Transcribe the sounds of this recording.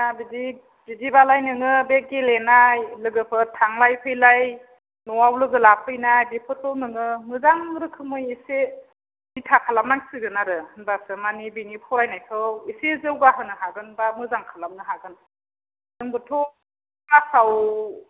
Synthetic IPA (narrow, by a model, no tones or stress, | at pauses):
abidi | bidibalajnɯŋɯbeɡelenajlɯɡɯpʰɯtʰaŋlajpʰɯjlaj | nɔwawlɯɡɯlapʰɯjnajbipʰɯtʰɔnɯŋɯmɯzaŋɾɯkʰɯmɯjise | nitʰakʰalamnaŋsɯɡɯnaɾɯɯnbasɯmanibiŋipʰɔɾajnajkʰɯwisezɯwɡaɦɯnɯɦaɡɯnbamɯzaŋkʰalam̚nɯɦaɡɯn | nɯŋbɯtʰɔ | basaw